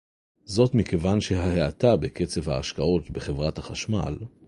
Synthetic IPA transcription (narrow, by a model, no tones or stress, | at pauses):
zo̞tmikevanʃe̞ɦaheatabe̞ke̞t͡sevhaːʃkao̞t̪beχevʁathaχaʃma̰l